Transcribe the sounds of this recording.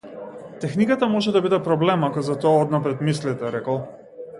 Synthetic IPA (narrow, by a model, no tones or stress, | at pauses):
t̪ɛxnikat̪amɔʒɛd̪abid̪ɛpɾɔblɛmakɔzat̪ɔaɔd̪napɾɛt̪mislit̪ɛɾɛkɔlˠ